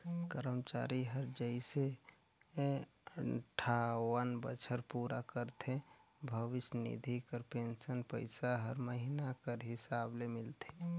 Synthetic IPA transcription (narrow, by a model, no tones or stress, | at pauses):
kəɾəmt͡ʃa̰ːɾiɦəɾd͡ʒəise | əʈʰawənbə̰t͡ʃʰəɾpuːɾakəɾt̪ʰẽbʱəʋɪsnḭd̪ʱikəɾpensənpəɪsaɦəɾməɦinakəɾɦɪsaːblemɪlt̪ʰe